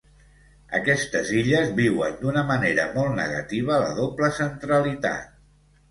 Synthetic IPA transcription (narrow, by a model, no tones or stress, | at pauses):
ə̰kɛst̪əziʎəzβiwə̰nd̪unəməneɾəmɔlˠt̪nə̰ɣə̰t̪iβ̞ələ̰ðopləsənt̪ɾəlit̪a̰t̪̚